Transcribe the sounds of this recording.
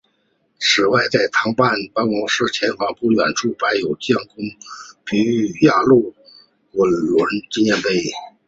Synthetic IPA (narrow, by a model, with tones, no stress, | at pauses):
ʂɻ̩˨˩wa˥˧ɪt͡sa˥˩ɪt̪ʰɑ˧˥ŋpa˥˩npa˧˥nwɑ˧˥ŋʂɻ̩˥˩t͡ɕʰjɛ˧˥nfɑ˧˥ŋpu˥˩ɥɛ̰˨˩nʈ͡ʂu˥˩pa˧˥ɪjo˨˩ʊt͡ɕjɑ˥˩ŋkʊ˥ŋpi˧˩y˧˥ja˥˧lu˥˩ | wə˧˥nlwə˧˥nt͡ɕi˥˧njɛ˥˧npe˥˩ɪ